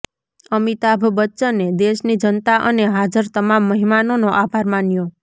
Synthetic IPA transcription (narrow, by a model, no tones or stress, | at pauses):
əmit̪abʱbətːʃəned̪eʃnid͡ʒənt̪aʔə̰neɦad͡ʒəɾt̪əmamːəɦimanonoʔabʱaɾmanjo